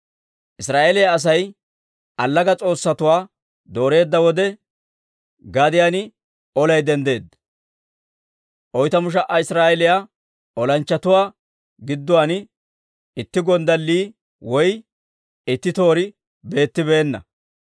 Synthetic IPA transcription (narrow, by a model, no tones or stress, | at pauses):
ʔɪsɾaːʔelɪjaːs̬ɐj | ʔɐlːɐɡɐt͡sʼo̞ːsːɐt̪ʊwaː | d̪o̞ːɾe̞ːd̪ːɐwɔd̪ɛ | ɡad̪ɪjanɪ | ɔlɐjd̪ɛnd̪e̞ːd̪ | ʔɔjt̪ɐmʊʃ̬ɐʔɐɪsɾaːʔɛlɪja | ʔɔlɐnt͡ʃːɐt̪ʊwaː | ɡɪd̪ːʊwaːnɪ | ɪt̪ːɪɡɔnd̪ɐlːiː | wɔj | ɪt̪ːɪt̪o̞ːɾɪ | be̞ːt̪ːɪbe̞ːnːɐ̰